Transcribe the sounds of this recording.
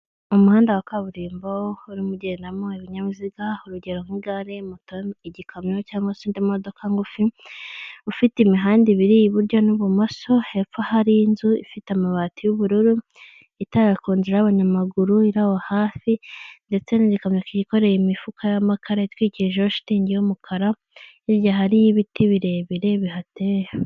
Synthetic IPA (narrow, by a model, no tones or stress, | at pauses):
umuhaːndawakaβuɾiːmbouɾimuɟe̞ːndamoiβiɲaβuziɡauɾuɟeɾoŋiɡaɾemutoiɟikʰamɲocaːmasondimodo̞kʰaŋɡufi | ufiteimiɦaːndiβiɾijiβuɾɟo̞nuβumaso̞he̞fahaɾinzuḭfitamaβaːtijuβuɾuɾu | itaakoːɲzeɾaaβaɲamaɡuɾuiɾawohaːfinde̞t͡se̞niɟikomɲakiɟiko̞ɾe̞jimifukʰajamakʰaɾaitwiːciʒoʃi̥tiːɲɟijumukʰaɾa | iβjaɦaɾijiβitʰiβiɾe̞βiɾe̞βihateɾa